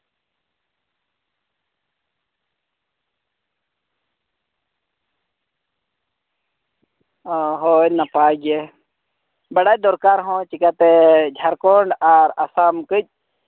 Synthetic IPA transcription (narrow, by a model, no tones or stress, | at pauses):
ɦoːnapaːɡe | bɐɽad̪oɾkaːɾɦõt͡ʃikat̪ed͡ʒʱɐɾkoɳɖaɾasamkəd͡ʒ̚